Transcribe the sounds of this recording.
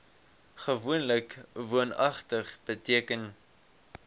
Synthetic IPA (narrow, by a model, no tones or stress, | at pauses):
χəvuənləkvuənɐχtəχb̥ətiəkən